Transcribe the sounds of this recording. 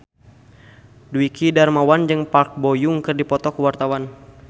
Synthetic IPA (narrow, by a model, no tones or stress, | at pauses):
duikidarmawand͡ʒɨŋpark̚bɔjuŋkɨrdipɔt̪ɔkuwart̪awan